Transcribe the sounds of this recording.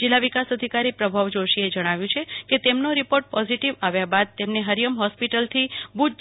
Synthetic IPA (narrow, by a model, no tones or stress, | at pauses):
d͡ʒilːaʋikasəd̪ʱikaɾipɾəbʱaʋd͡ʒoʃied͡ʒəɽ̃aʋjũt͡ʃʰeket̪emnoɾipoɾʈ̚pɔziʈiʋaʋjabad̪̚t̪emneɦəɾjəmɦɔspiʈəlt̪ʰibud͡ʒ